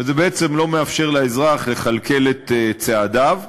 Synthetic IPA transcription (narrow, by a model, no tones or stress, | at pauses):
velzebeet͡se̞mlo̞me̞afʃe̞ʁlaezʁaχle̞χalke̞let̪t͡seadav